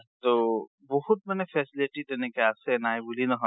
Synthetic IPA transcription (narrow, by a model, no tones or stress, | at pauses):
t̪oː | bɔɦʊt̪̚mɛːnefʰɛːsɪlɪʈid̪eːnekeaːsenaːebulinɐɦo